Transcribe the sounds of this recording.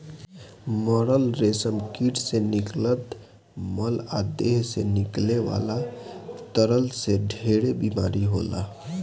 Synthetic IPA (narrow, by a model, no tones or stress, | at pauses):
mɔɾəlɾesəmkiʈseniklət̪ | məlad̪eɦsenikleʋa̰lat̪əɾəlseɖʱeɽebimaɾiɦola̰